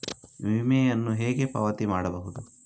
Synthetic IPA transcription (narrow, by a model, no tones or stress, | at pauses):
ʋimɛjɐnːuɦeːɡe̞pɐʋɐt̪imaːɽɐbɐɦud̪u